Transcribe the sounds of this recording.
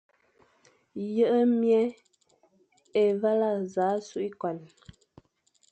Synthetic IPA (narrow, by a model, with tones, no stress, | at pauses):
jə˦ʔə˦mjɛ˦ | e˨va˦la˦˨za˨˦su˦˨ʔi˦kwa˨n